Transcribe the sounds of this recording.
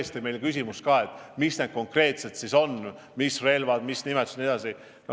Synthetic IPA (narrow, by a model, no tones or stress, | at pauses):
st̪ime̞jlkys̬ʲimust̪kɑːe̞t̪ːˑmisned̪̥̚ko̞ŋkre̞ːt̪se̞t̪siso̞n | misre̞lvɑd̪misnimet̪usni̥ɑsi | no